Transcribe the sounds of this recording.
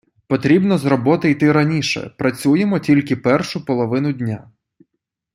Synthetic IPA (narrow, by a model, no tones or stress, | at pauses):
pɔt̪ɾʲibnɔzrɔbɔt̪ɪjt̪ɪɾɐnʲiʃɛ̰pɾɐt͡sʲujemɔtʲilʲkɪpɛrʃʊpɔlˠɔʋɪnʊdʲnʲa